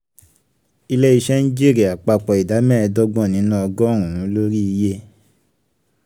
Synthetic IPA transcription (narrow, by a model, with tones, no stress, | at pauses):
i˧lɛ˦i˧ʃɛ˦nĩ˦d͡ʒi˦˨ɾi˨a˨k͡pa˧k͡pɔ˧i˨da˨˦mɛ̃˦˧dɔ˦ɡ͡bɔ̃˦˨nĩ˨˦nã˦ɔ˧ɡɔ˦˨ɾ̃ũ˨ɾũ˨˦lo˦ɾi˦i˧je˦